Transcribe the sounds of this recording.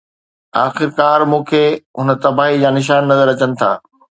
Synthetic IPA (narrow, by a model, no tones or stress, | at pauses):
aːxɪɾkaːɾmũːkʰeːɦʊnə̆t̪ɐbaːɦid͡ʑaːnɪʃ̬aːnːɐzəɾɐt͡ɕənɪ̆t̪ʰa̰ː